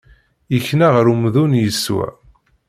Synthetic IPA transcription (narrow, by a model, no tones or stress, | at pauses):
əçnaʁəɾumðunjəsːwæ̰